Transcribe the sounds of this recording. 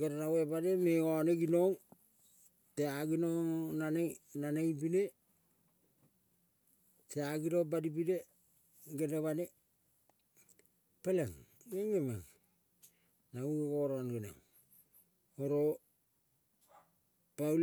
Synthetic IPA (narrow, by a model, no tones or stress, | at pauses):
ɡeɾaɾawebademeoneɡinoŋ | teaɡinoŋnanenanejbine | teaɡiɾobadipiɾe | ɡeneβane | peleŋ | eŋema̰ŋ | nauɡoɾonɡena̰ŋ | oɾo | pal